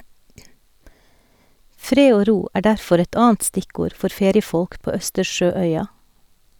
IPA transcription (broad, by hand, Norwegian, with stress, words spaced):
ˈfɾeː ˈoː ˈɾuː ˈæː ˈɖæɾfɔɾ ˈɛt ˈɑːn̩t ˈstɪˌkuːɾ ˈfɔɾ ˈfeːɾɪəˌfɔlk ˈpoː ˈœstəɾˌʃøːˌœʏɑ